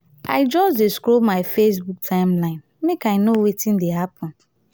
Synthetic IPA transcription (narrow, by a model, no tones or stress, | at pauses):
ʔa̰ɪd͡ʒɔsdeskɾomaɪfes̬buk̚tʰãɪ̃mlãɪ̃n | mekaɪnowetĩndeɦapʰɔ̃n